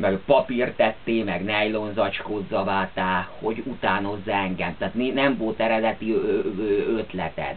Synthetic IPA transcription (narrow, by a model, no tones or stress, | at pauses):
mɛpɒpirt̪ɛt̪ːeːmɛɡnɛjlonzɒt͡ʃkozːɒvaːt̪aːho̞ɟut̪aːno̞zːaɛŋɡɛmt̪aːt̪ninɛmvo̞lt̪ɛɾɛd̪ɛt̪iøːøt̪lɛ̰t̪ɛ̰t̪